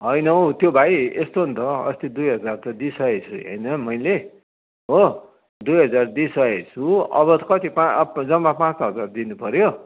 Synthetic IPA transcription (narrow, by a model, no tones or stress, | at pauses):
ɦʌjnʌwt̪jobʱajest̪oɦunt̪ʰʌʌ̰st̪id̪ujɦʌd͡zart̪ʌd̪isʌet͡sʰṵʌ̰jnʌmʌjle | ɦo | d̪ujɦʌd͡zard̪isʌet͡sʰuʌ̰βʌt̪kʌt̪ipad͡zʌmːapãt͡sɦʌd͡zard̪inupʌɾjo